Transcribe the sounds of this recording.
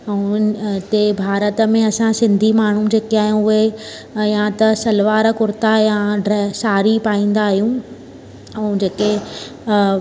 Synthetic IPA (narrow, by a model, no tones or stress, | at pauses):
ɛ̃t̪ebʱaːɾət̪ə̆mẽɐsãsɪ̃nd̪ʱimaːɳ̤ũd͡ʑeːkiaːɦijũʊɦe | jãt̪ɐsɐlʋaːɾkʊɾɪt̪ajãɖɾɛːsaːɾipaːĩːn̆d̪aːɦijũ | ɛ̃ːd͡ʑeːke